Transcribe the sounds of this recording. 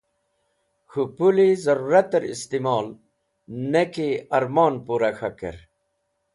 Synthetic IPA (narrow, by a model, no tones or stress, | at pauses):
xupulizɐɾuːɾɐt̪ɐɾḭst̪imɑːl | nekiɐɾmɑːnpuɾaxɐkḛɾ